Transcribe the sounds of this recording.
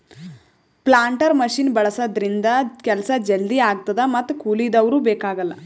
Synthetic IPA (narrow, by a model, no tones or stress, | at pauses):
plaːɳʈɐɾmɐʃiːnbɐɭɐsɐd̪ɾind̪ɐkɛlɐsɐd͡ʒɐld̪iaːɡ̚t̪ɐd̪ɐmɐt̪ːukuːlid̪ɐʋɐɾuːbɛːkaːɡɐlːɐ